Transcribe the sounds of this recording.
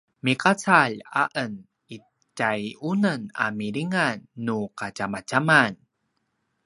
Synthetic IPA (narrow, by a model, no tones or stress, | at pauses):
mikat͡saʎa̰ʔən | i | cajunəna̰miɾiŋanːukacamacaman